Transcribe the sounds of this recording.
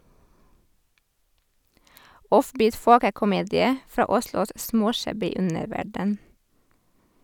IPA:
ˈɔfˌbiːt ˈfoːkəkʊˌmeːdɪə ˈfɾɑː ˈʊslʊs ˈsmoːˌʃæbɪ ˈʉnəɾˌʋæɖən

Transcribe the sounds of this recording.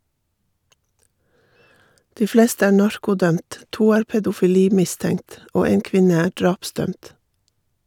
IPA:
ˈdiː ˈfleːstə ˈæː ˈɳɑɹkʊˌdœmt ˈtuː ˈæːɾ pɛdʊfɪˈliːˌmɪˌstɛŋt ˈoː ˈeːn ˈkʋɪnə ˈæː ˈɖɹɑːpˌsdœmt

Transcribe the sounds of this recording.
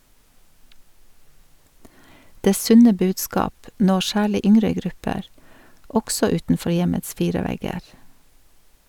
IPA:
ˈdeː ˈsʉnə ˈbʉːdˌskɑːp ˈnɔ ˈsæːɭɪ ˈʔʏŋɾə ˈɡɾʉpəɾ ˈɔɡsɔ ˈʉːtn̩ˌfɔɾ ˈjɛməts ˈfiːɹə ˈʋɛɡəɾ

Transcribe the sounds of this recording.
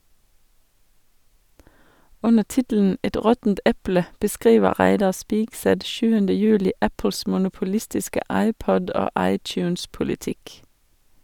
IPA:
ˈʉnə ˈtɪtl̩n̩ ˈɛt ˈɾɔtn̩t ˈɛplə bəˈskʁiːʋə ˈʁæɪdɑ ˈspɪɡsɛt ˈʃʉːəndə ˈjʉːlɪ ˈæpl̩s mʊnʊpʊˈlɪstɪskə ˈɑɪˌpɔd ˈoː ˈɑɪˌtjʉːns pʊlɪˈtɪk

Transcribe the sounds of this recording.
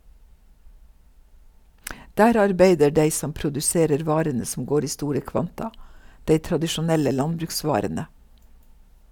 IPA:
ˈdæːɾ ˈɑɾbeɪdə ˈɖeɪ ˈsɔm pɾʊdʉˈseːɾəɾ ˈʋɑːɾənə sm̩ ˈɡoːɾ ˈiː ˈstuːɾə ˈkʋɑntɑ ˈdeɪ tɾɑdɪʃʊˈnɛlə ˈlɑnbɾʉkˌsʋɑːɾənə

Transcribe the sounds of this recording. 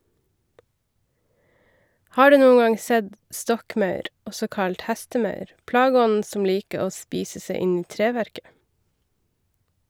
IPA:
ˈhɑː ˈɖʉː ˈnuːə ˈɡɑŋ ˈsɛd ˈstɔkˌmɑʉɾ ˈɔsɔ ˈkɑlt ˈhɛstəˌmɑʉɾ ˈplɑːɡəˌɔnn̩ sm̩ ˈliːkə ˈoː ˈspiːsə ˈsæɪ ˈɪn ˈiː ˈtɾeːˌʋæɾkə

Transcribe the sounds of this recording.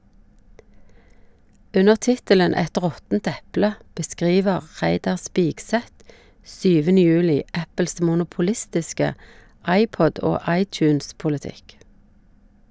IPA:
ˈʉnəʁ ˈtɪtələn ˈɛt ˈʁɔtn̩t ˈɛplə bəˈskʁiːʋəʁ ˈʁæɪdɑʁ ˈspiːɡˌsɛt ˈsyːʋənə ˈjʉːlɪ ˈæpəls mʊnʊpʊˈlɪstɪskə ˈɑɪˌpɔd ˈoː ˈɑɪˌt͡ʃʉːnspʊləˌtɪk

